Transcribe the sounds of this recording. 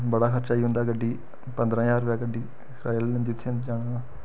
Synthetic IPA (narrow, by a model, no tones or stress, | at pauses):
bəɽaːkʰəɾt͡ʃaːiːɦʊ̃nd̪aːɡəɖːiː | pənd̪ɾãːjaːɾʋaːɡəɖiː | sɾaːlẽnd̪iːʊt̪ʰːẽnd͡ʒaːɽ̃aː